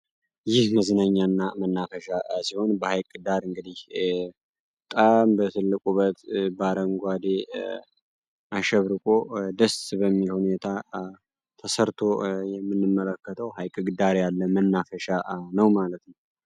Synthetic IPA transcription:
jɪhməzɨnaɲːanːamənːafəʃasiho̞nbəhajkʼɨd̪aɾɨŋɡɨd̪ih | t̪ʼambət̪ʰɨlːɨkʼuβət̪baɾəŋɡʷad̪e | ʔaʃɛβɾɨkʼod̪əsbəmːilhune̞t̪ʰa | t̪ʰəsəɾt̪ʰo̞jɛmːɨnːɨmːələkːət̪ʰəwɦajkʼɨɡɨd̪aɾjalːəmənːafəʃanəwmalət̪nəw

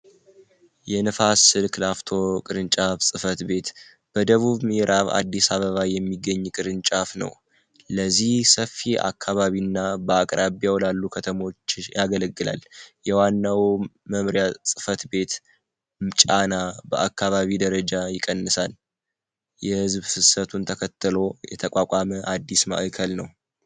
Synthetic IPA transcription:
jɛnɨfasɨlkʰɨlaft̪ʰo̞kʼɨɾɨnt͡ʃʼafsʼɨfət̪be̞t̪ | b̥əd̪əβuβmɾʔaβa̰d̪ːisaβəβajɛmːiɡːəɲːkʼɨɾɨnt͡ʃʼafnə̰w | ləzːihsəfːia̰kʰːaβaβinːabəakʼɾʔaβjawlalːukʰət̪ʰəmo̞t͡ʃːjaɡələɡːɨla̰ljɛwanːawməmɾjasʼɨfət̪be̞t̪ | mt͡ʃʼanabəʔakːaβaβid̪əɾəd͡ʒajɪkʼənːɨsal | jɛhɨzbsɨsət̪ʰunt̪ʰəkʰət̪ːɨlo̞jɛ̰t̪ʰəkʼakʼaməʔad̪ːisma̰ʔkʰəlnəw

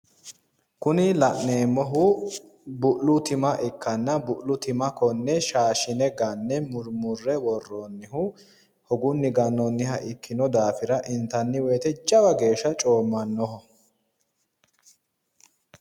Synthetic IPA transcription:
kʊnɪlɐʔneːmːɔɦʊ | bʊʔlʊt̪ɪmɐʔɛkːɐnːɐbʊʔlʊt̪ɪmɐkɔnːɛʃaːʃɪnɛɡɐnːɛmʊɾmʊrːɛwɔrːɔnːɪɦʊ | hɔɡʊnːɪɡɐnːɔnːɪhɐʔɪkːɪnɔd̪aːfɪɾɐʔɪnt̪ɐnːɪwɛːt̪ɛt͡ʃʼɐbɐɡe̞ːʃːɐt͡ʃʼoːmːɐnːɔɦɔ

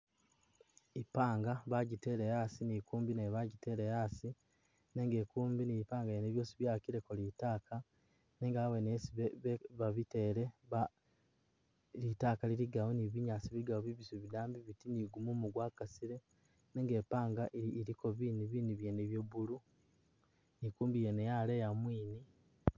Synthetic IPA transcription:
ipaːŋɡaβaɟite̞ɾejasinikuːmbineβaɟite̞ɾejasi | neːŋɡekuːmbiniipaːŋɡaeneβjo̞ːsiβjaːkiɾekolitaːkʰa | neːŋɡawenesiβeβeβaβiteːɾeβa | litakaliɾiɡawoniβiɲaːsiβiiɡawoβiβisuβidaːmbiβitiniɡumumuɡwaːkasiɾe | neːŋɡeːpaːŋɡaʔiːɾikʰo̞βiːniβiːniβjeneβjoβulu | nikuːmbijenejalejamwiːni

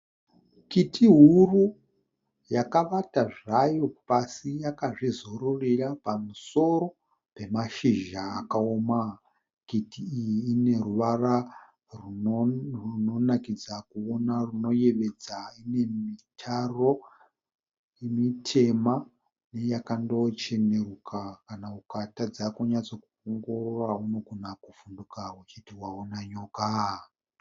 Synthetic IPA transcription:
kitiɦuru | jakaʋataʐajo̞pasijakaʐizoɾurirapamuso̞ɾo̞ | pe̞maʃiʒaːkaoːma | kitʰiːjiːne̞ruʋara | ruruno̞nakid͡zakuonaruno̞je̞ʋe̞d͡zaine̞mitʰaro̞ | emitʰe̞ma | ne̞jakando̞t͡ʃe̞ne̞rukʰakanaukatad͡zakuɲat͡so̞kuoŋɡo̞rorauno̞ɡʱunakufundukawut͡ʃitiwaonaɲoːka

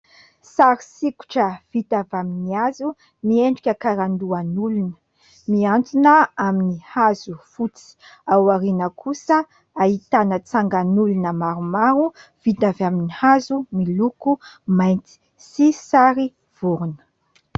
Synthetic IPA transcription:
saɾisiku̥ʈ͡ʂəv̥it̪avaminiazu | nieɳɖ͡ʐikʲəkaɾand̪uanulunə̥ | miant͡sinəaminihazufut͡si̥awaɾinəkʰusə | aɦit̪anət͡saŋɡanulunəmaɾumaɾuv̥it̪avaminihazumilukumajnt͡si̥ | sisaɾi | v̥uɾunə̥

